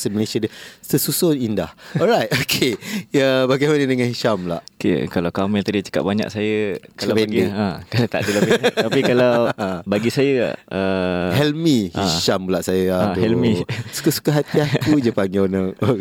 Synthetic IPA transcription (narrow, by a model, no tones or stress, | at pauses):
səməlesiadəsəsusonindahɔlɾajtokʰeəbaɡajmanədəŋãnhiʃamla̰ʔkḛkalawkamɛlt̪adiət͡ʃə̥ka̰ʔ̚baɲa̰ʔsajəkaapɛndiakat̪a̰ʔdilaapikalawabaɡisajə̰əhɛlmihʃamulaʔsajəaoɛlmisu̥kasu̥kaɦat̪iat̪ud͡ʒəpaŋionəo